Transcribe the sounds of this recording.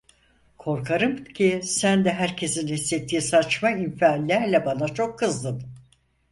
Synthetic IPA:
kʰo̞ɾkʰaɾɯmcʰisænd̪ɛɦæɾcʰe̞sinhisːet̪ʰːiːsat͡ʃmaimfiaːlʲːæɾlʲɛbanat͡ʃʰo̞kʰːɯzd̪ɯm

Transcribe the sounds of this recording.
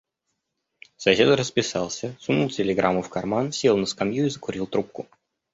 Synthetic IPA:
sɐsʲed̪əɾəspʲɪsalˠsʲəsʊnulˠtʲɪlʲɪɡɾʔamːʊfkɐrmansʲelˠnəskɐmjuɪzəkʊɾʲilˠt̪ɾup̚kʊ

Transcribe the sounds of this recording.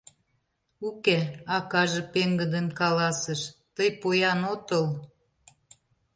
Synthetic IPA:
ukeɑkɑʒĕpeŋɡə̆d̪ənkɑlɑsəʃt̪əjpojɑnot̪əl

